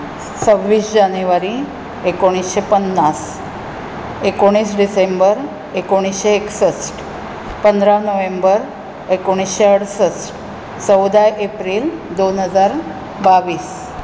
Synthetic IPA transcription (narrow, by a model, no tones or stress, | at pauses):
səʋːisd͡ʒanjuʋaɾi | ekoɽ̃isʃepənːas | ekoɽ̃isɖisembəɾ | ekoɽ̃iseːksəsʈ | pənd̪ɾaʋnəʋembəɾ | ekoɽ̃isʃeəɽsəsʈ | t͡ʃəwd̪ajʔepɾild̪onɦəzaɾ | baʋis